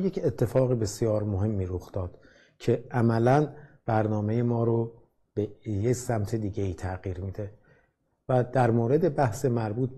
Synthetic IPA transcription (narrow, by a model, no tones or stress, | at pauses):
jecʰet̪ʰːe̞fɒːɣebe̞sjɒːɾmoɦe̞mːiːɾoxd̪̥ɒːd̪̥ | cʰe̞ʔæmælænb̥æɾnɒːme̞jemɒːɾo | b̥ejecsæmt̪ʰe̞d̪iːɟeiːt̪ʰæɣiːɾmiːd̪e̞ | væd̪̥æɾmoːɾe̞d̪e̞bæhsemæɾbuːt̪̚